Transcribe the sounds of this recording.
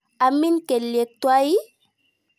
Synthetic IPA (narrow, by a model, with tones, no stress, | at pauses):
a˨mi˦nke˨lje˨t̪wa˦i˦